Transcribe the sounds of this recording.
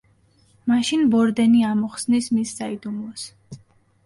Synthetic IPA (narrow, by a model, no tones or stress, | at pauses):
maʃinbɔɾd̪ɛniamɔχsnismisːaid̪umlɔs